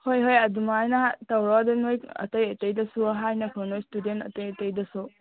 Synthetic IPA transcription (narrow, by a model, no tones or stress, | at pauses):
hojɦojɐdumajnɐatawɾɔdɐnojɐ̰tɐjɐtɐjdɐsuɐɦajnɐkʰɯnojstudentɐ̰tɐjɐtɐjdɐsu